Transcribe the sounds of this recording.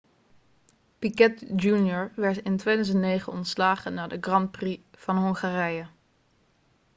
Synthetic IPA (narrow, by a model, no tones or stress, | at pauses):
pikɛtd͡ʒunjɔɹʋɛɹtɪntʋejdœzəntnejχənɔntslaːχənaːɹdəɡrɑnt̚priv̥ɑnɦɔŋχaːrɛjə